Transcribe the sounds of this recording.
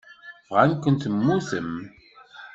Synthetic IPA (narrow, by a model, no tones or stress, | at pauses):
fʁankʷənt̪əmːuθəm